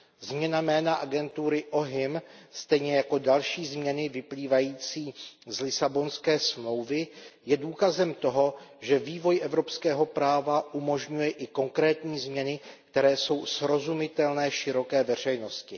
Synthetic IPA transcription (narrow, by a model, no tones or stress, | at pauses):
zmɲɛnamɛːnaʔaɡɛnt̪uɾɪʔo̞ɦɪmst̪ɛjɲɛjako̞dalʃiːzmɲɛnɪvɪpliːvajiːt͡siːzlɪsabo̞nskɛːsmlo̞wvɪjɛduːkazɛmt̪o̞ɦo̞ʒɛviːvo̞jʔɛvɾo̞pskɛːɦo̞pɾaːvaʔumo̞ʒɲujɛʔɪko̞ŋkɾɛːt̪ɲiːzmɲɛnɪk̚t̪ɛɾɛːso̞wsɾo̞zumɪt̪ɛlnɛːʃɪɾo̞kɛːvɛr̝ɛjno̞scɪ